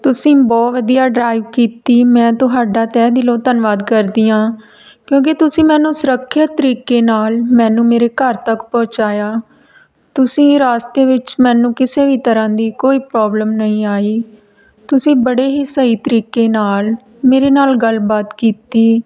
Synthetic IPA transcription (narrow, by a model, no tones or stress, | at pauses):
t̪ʊsĩːbɔːt̪ʋəd̪ijaːɖɾaːiʋkiːt̪iːmɛ̃ːt̪ʊɦaːɖaːt̪ɛːd̪ɪlõːt̪ənʋaːd̪kəɾd̪iːãː | kjõːk̬ɪt̪ʊsĩːmɛ̃ːnũːsʊɾəkʰːət̪ːəɾiːkeːnaːlmɛ̃ːnũːmeːɾeːkəɾt̪əkpɔ̃ːt͡ʃaːjaː | t̪ʊsĩːɾaːst̪eːʋɪt͡ʃmɛ̃ːnũːkɪseːʋiːt̪əɾãːd̪iːkoːiːpɾɔːbləmnəĩːaːiː | t̪ʊsĩːbəɽeːɦisəiːt̪əɾiːkeːnaːl | meːɾeːnaːlɡəlbaːt̪kiːt̪iː